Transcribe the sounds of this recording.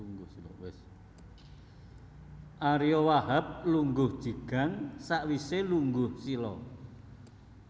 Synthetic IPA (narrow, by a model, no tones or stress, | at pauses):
uŋɡʊsilɔwɪs | ʔaɾijɔwaɦap̚luŋɡʊhd̥ʒ̥i̤ɡ̥a̤ŋsaʔwiseluŋɡʊhsilɔ